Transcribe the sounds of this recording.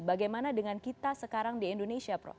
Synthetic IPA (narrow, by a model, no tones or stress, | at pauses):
baɡajmanadəŋankit̪asəkaɾaŋdiindonesiapɾɔ̰